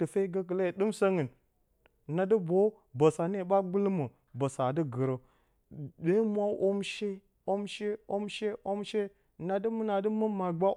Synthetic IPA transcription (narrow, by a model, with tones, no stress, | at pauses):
tə˨fe˦ɡə˦k̬ə˨le˦˨ɗɨ˦msa˦ŋə˨n˨ | na˨də˦bo˦ | bə˨sa˨ne˦˨ɓa˦ɡ͡bu˦lmə˨ | bə˨sa˨də˦ɡə˨ɾə˨ | de˦mʷ˦a˦ʔo˦mʃe˦ | o˦mʃe˦o˦mʃe˦ʔo˦mʃe˦˨ | na˨də˦mə˦na˨də˦mə˦mːa˨ɡ͡ba˦